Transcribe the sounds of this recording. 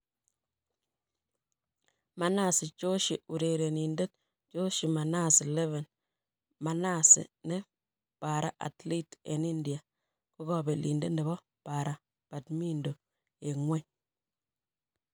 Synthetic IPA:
ma˨na˦˨sɪ˨t͡ʃo˦ʃi˨u˨ɾe˨ɾe˨ni˨nde˦t | t͡ʃo˦ʃi˨ma˨na˦˨sɪ˨lɛ˦vɛ˨n | ma˨na˦˨sɪ̰˨ne˦ | pa˨ɾa̰˦ʔa̰˨tli˦tɛ̰˨ni˦ndi˨a˨ | ko˦kɔ˦˨be˨lḭ˨nde˦nde˨bɔ˦ | pa˨ɾa˦ | pa˨tmi˦ndo˨ | e˨ŋwɛ˦˨ɲ

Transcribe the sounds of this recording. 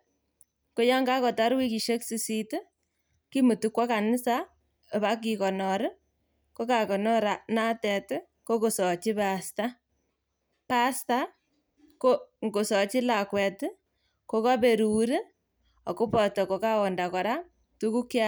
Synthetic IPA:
ko˦ja˦ŋɡa˦kɔ˨ta˦ɾwi˦ki˨ʃe˦ksi˨si˦t | ki˦mu˨tu˦kwa˦ka˨nɪ˦sa˦˨ | βa˦k̬i˨kɔ˨nɔ˨ɾ | ko˦ka˨kɔ˨nɔ˦ɾa˨na˦tɛ˨t | ko˦ko˨sɔ˨t͡ʃi˦pasta˦ | pa˦sta˦ | ko˦ŋɡo˨sɔ˨t͡ʃi˦la˨kwɛ˨t | ko˦ka˦be˨ɾu˨ɾi˦ | ɔ˨ko˦pɔ˨tɔ˨ko˨ka˦ɔ˨nda˨kɔ˨ɾa˦ | tu˦ku˦kja

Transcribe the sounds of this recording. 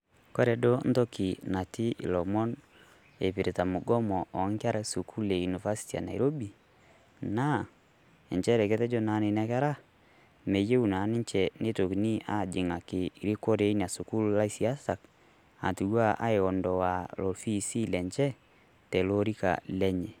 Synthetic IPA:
kwo˦ɾɛ˨do˦n̩˦to˦ki˨na˨ti˦ʔḭ˨lɔ˨mɔ˦n | e˨pi˨ɾe˨ta˨mo˨ɡɔ˦mɔ˨ɔ˨˦ŋ˦kja˦ɾa˦su˨kʰu˦le˨ju˨ni˨va˦si̥˦ti˨a̰˨na̰˨iɾo˦bi˨ | na˦ | ɛ˨ɲt͡ʃɛ˦ɾɛ˨ke˦tɛ˦d͡ʒo˦na˨˦ne˨nɛ˦kɛ˦ɾa˦ | me˨je˦u˨na˨˦nɪ˦ɲt͡ʃɛ˨ne˦to˨ki˨ni˦a˦d͡ʒi˨ŋa˨ke˨i˨ɾi˦ko˦ɾe˦i˦n˨a˨su˨ku˦lla˦i˦si˨a˦sa˨k | a̰˨tu˨wa˦ʔa̰˦e˨ɣɔ˨ndɔ˨wa˨lo˨fi˦si˦lɛ˨ɲt͡ʃɛ˦ | tɛ˨lo˦ɾi˦ka̰˨lɛ˦ɲe˨

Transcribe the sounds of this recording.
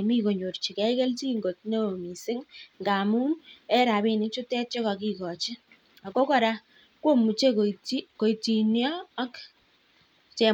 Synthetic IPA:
mi˦ko˨ɲo˨rt͡ʃi˨kɛ˦i˦kɛ˦lt͡ʃi˦ŋɡo˨t̚ne˦o˨mi˨sɪ˦ŋŋɡa˨mu˦nɛ˦ɾa˨be˨nɪ˦t͡ʃʊ˦tɛ˦t͡ʃe˦ka˨ki˦kɔ˨t͡ʃɪ˦ | a˨ko˦kɔ˨ɾa˦ | ko˦mu˨t͡ʃe˦kiko˨ti˨njɔː˦k | t͡ʃɛ˨

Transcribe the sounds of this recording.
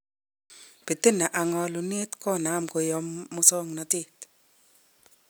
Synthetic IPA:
pe˨te˦na˨ʔa˨ŋɔ˨˧lu˨ne˦tkɔ˦˨na˨˦˨mko˨jɔ˨˦mːu˦sɔ˦ŋna˨te˦˨t

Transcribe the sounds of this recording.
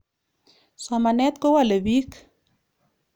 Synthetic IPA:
sɔ˨ma˨nɛ˦t̪̚kɔ˦wa˨le˨bi˦k

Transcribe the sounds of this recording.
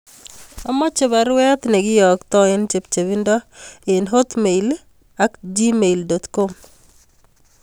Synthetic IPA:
a˦mɔ˦t͡ʃe˨βa˨ɾwɛ˦t̪nɛ˨ɡɪ˦jɔ˨kt̪ɔ˦ɪ˦nt͡ʃe˨p̚t͡ʃe˨bi˦ndɔ˦ɪ˨nɦo˦t̪me˨il | a˦kd͡ʒi˦me˨ildɔ˨t̪ko˦m

